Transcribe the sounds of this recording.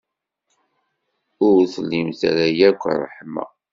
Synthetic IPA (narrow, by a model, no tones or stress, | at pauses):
ʊɾθəlːimθæɾæjækʷːrˤːə̰ħmæ̰